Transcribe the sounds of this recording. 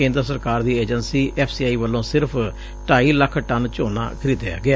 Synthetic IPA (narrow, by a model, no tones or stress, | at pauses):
ẽːnd̪ɾəsəɾkaːɾd̪iːɛːd͡ʒənsiːʔɛːpʰsiːaːiːʋəlːõːsɪɾpʰ | ʈaːiːləkʰːʈənt͡ʃoːna̰ːkʰəɾiːd̪ea̰ːɡɪaː